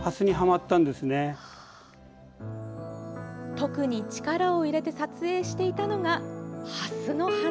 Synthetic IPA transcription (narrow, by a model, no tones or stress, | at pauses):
hasɨɲ̟iɦamat̪ːãnd̪e̞sɨne̞ | t̪o̞kɯ̟ɲ̟it͡ɕi̥kaɾao̞iɾe̞t̪e̞sat͡sɨe̞ːɕi̥t̪e̞it̪ano̞ɡahasɨno̞ha